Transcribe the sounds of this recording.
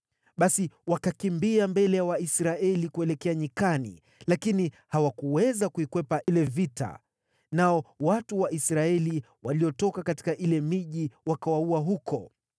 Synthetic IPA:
ɓasiwakakimbiambɛlɛjawaisɾaɛlikuɛlɛkɛaɲikanḭ | lakini | hawakuwɛzakuikwɛpaʔilɛvita̰ | naɔwatuwaʔisɾaɛli | waliɔtɔkakati̥kaʔilɛmiʄiwakawauaɦukʰɔ

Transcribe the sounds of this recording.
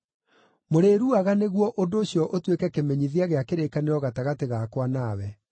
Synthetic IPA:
moɾeɾuaɣaneɣwɔʔondoːɕjɔʔotwekɛkemɛɲiðiaɣeakeɾekaneɾɔɣataɣateɣakwanawɛ

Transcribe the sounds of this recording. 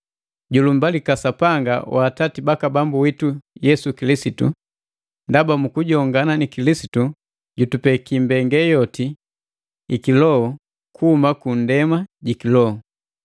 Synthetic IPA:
ɟulumbalikasapaŋɡa̰wʔaːtatibakabambuwitujɛsukilisitṵ | ndabamukuɟɔŋɡananikilisi̥tu | ɟutupɛkimbɛŋɡɛjɔti | ikilɔɔ | kʰuhumakun̩dɛmaɟikilɔɔ

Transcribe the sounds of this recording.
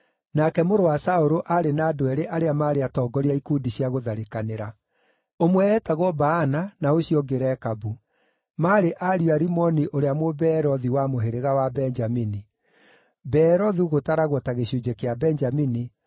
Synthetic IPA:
nakɛmoɾowasaoɾoʔaɾenaːdoɛɾeʔaɾeamaːɾeatɔːɡɔɾiaikudiɕiaɣoðaɾekaneɾa | omwɛːtaɣɔbaːnanaoɕiɔɡeɾɛkabu | maːɾeʔaɾjwaɾimɔniʔoɾeamwobɛːɾɔðiwamoɦeɾeɣawabɛɲd͡ʒamini | bɛɾɔðiɣotaɾaɣwɔtaɣeɕud͡ʒekeabɛnd͡ʒamini

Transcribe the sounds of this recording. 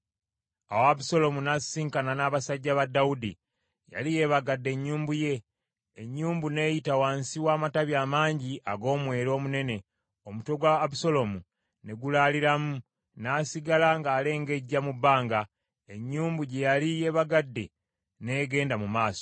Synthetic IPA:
awːbuso̞lo̞munasiːŋkananaːβasaɟːaβadːaudi | ja̰lije̞βaɡadːe̞ɲːuːmbuje̞ː | ɲːuːmbune̞ːjitawaːnsiwaːmataβjaːmaːɲɟiʔaɡo̞ːmwe̞ːɾo̞ːmune̞ne̞ | o̞muto̞ɡwaːbuso̞lo̞mu | ne̞ɡulaliɾamu | naːsiɡalaŋɡaːle̞ːŋɡe̞ɟːamubaːŋɡa | e̞ɲːuːmbuɟe̞jalije̞βaɡadːe̞ | ne̞ːɡe̞ːndamumaːso̞̥

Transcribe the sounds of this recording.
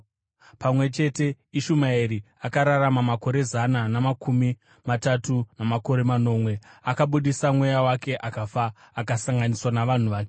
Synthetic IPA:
pamwe̞t͡ʃe̞te̞ | iʃumaiɾi | akaɾaramamako̞ɾe̞zananamakʰumi | matatunamako̞ɾe̞mano̞mwe̞akaɓuɗisamwe̞jawake̞ʔakafaː | kasaŋɡaniswanaʋan̤uʋaːke

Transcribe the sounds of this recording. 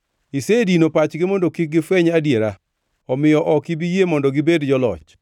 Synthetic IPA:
isedinopat͡ʃɡɪmondokik̚ɡɪfwɛɲadjeɾa | ɔmɪjɔʔɔkibijemɔndɔɡɪbedd͡ʒɔlɔ̰t͡ʃ

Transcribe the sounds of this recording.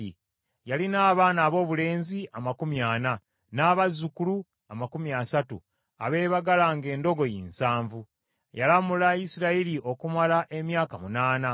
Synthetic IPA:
i | jalinaːβaːnaːβo̞ːβule̞ːnziamakumjaːna | naːβazːukulu | amakumiasatṵ | a̰βe̞ːβaɡalaŋɡe̞ːndo̞ɡo̞jiːnsaːɱvu | jalamulaisiɾailio̞kumalaʔe̞mjaːkamunaːna

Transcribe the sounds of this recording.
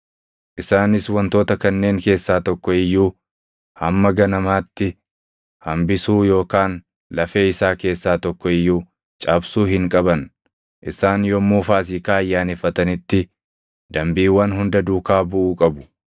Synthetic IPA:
ʔɪsaːnɪswɐnt̪o̞ːt̪ɐkɐnːe̞ːŋke̞ːsːaːt̪ɔkːɔɪjːuː | hɐmːɐɡɐnɐmaːt̪ːɪ | hɐmbɪsuːjo̞ːkaːn | lɐfe̞ːɪsaːke̞ːsːaːt̪ɔkːɔɪjːuː | t͡ʃʼaːbsuːɦɪŋkʼɐbɐn | ʔɪsaːnjɔmːuːfaːs̬iːkaːɐjːaːnɛfːɐt̪ɐnɪt̪ːɪ | d̪ɐmbiːwːɐnɦʊnd̪ɐd̪uːkaːbʊʔuːkʼɐbʊ̥

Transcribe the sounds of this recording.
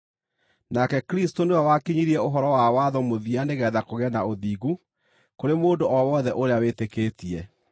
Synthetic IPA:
nakɛkɾistonewawakiɲiɾiɛoɦɔɾɔwawaðɔmoðianeɣɛðakoɣɛnaoðiːɣu | koɾemoːndoʔɔwɔðɛʔoɾeawetekeːtiɛ

